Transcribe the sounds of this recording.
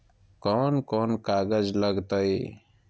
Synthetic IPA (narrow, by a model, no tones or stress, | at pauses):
koːnkoːnkaːɡəzləɡt̪əi